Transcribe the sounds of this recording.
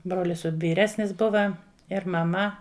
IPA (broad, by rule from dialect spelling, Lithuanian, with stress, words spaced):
ˈbroːlʲɪs ʋʲiːˈrʲæːsʲnʲɪs ˈbʊʋɐ ɪr mɐˈmɐ